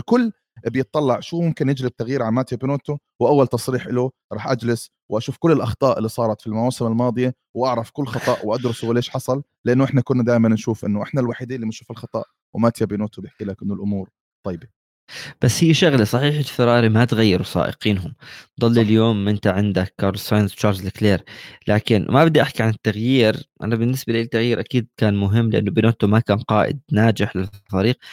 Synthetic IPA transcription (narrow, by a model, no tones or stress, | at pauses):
lkʊlː | bjɪt̪̚ˤːɑlːɑʕʃuːmʊmkɪnjɪd͡ʒlɪb̚t̪ːaɣjiːɾʕamaːt̪jabinoːt̪u | wʔawːalt̪ɑsˤɾiːħʔɪluɾˤɑːħʔad͡ʒlɪs | wʔaʃuːfkʊlːɪlʔɑxt̪ˤɑːʔɪlːisˤɑːɾˤɑt̪filmawaːsɪmalmɑːd̪ˤɨja | wʔaʕɾˤɑfkʊlːxɑt̪ˤɑʔwʔad̪ɾʊswleːʃħɑsˤɑl | lɪʔanːʊʔɪħnakʊnːad̪aːʔɪmanːʃuːfʔɪ̰nːʊʔɪħnalwaːħid̪iːnlːiːmanʃuːfɪlxɑt̪ˤɑ̰ʔ | wɪmaːt̪jabinoːt̪ubjɪħkiːlakʔɪnːʊlʔʊmuːɾ | t̪ˤːɑjbi | b̥asːhiːʃʊɣlasˤɑħiːħɪlfɪɾˤɑːɾimat̪ɣajːɪɾusˤɑ̰ːʔɪ̰qiːnɦʊmd̪ˤɑlːiljoːmʔɪnt̪aʕɪnd̪akːɑɾˤlsˤɑjnst͡ʃɑːɾzlɪkleːɾlʔaːkɪnmabɪd̪ːiʔaħkiʕanɪt̪ːaɣjiːɾʔa̰nabɪnːɪsbaliːt̪ːaɣjiːɾʔakiːd̪̚kaːnmʊɦɪmːlɪʔa̰nːʊbɪnoːt̪umakaːnqɑːʔɪ̰d̪̚naːd͡ʒɪħlɪfaɾiːq̚